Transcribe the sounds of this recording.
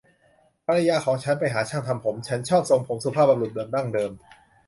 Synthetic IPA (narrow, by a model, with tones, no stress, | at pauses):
pʰa˧ɾa˧jaː˧kʰɔː˩˦ŋt͡ɕʰa˦˥npa˧jɦaː˩˦t͡ɕʰaː˥˩ŋt̪ʰa˧mpʰo˩˦mt͡ɕʰa˦˥nt͡ɕʰɔː˥˩p̚so˧ŋpʰo˩˦msu˨˧˦pʰaː˥˩p̚ba˧lɾu˨˩dɤː˧nda˥˩ŋdɤː˧m